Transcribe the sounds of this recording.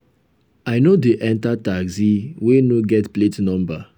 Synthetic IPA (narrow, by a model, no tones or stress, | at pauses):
aɪnodeʔɛ̃ntataɡziwenoɡɛtpletnɔ̃mba